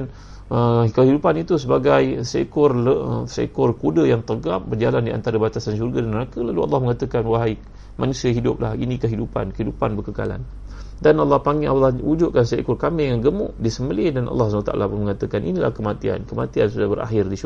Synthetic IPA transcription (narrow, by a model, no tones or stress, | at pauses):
n | əkəɦidupanit̪usəbaɡajsḛkʊrləsḛkʊrkudəjaŋt̪əɡap̚bərd͡ʒalandiʔa̰nt̪aɾəbat̪asanʃ̬urɡadanmənakəlaluʔɑ̰lːɑhməŋat̪əkanwaɦaj | manusiaɦidʊp̚lahinĩkəɦidupa̰nkəɦidupanbərkəka̰la̰n | danɑlːɑhpaŋialːɑhud͡ʒʊʔ̚kansekʊrkamɪjaŋɡəmʊ̰ʔdisəməlɪdanʔɑ̰lːɑhsanwat̪aʔa̰lapʊnməŋat̪əkanḭnila̰hkəmat̪ia̰nkəma̰t̪iansudahbəɾa̰ɦɪrdiʃ